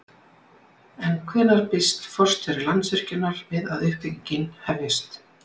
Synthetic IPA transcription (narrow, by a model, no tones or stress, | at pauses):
ɛnkʰvɛːnaɾ̥pɪst̪fɔr̥t̪fɛɾɪɾlant̪svɛr̥cʏnːaɾvɪðaðʏhpɪɲcɪnhɛvjɪst̪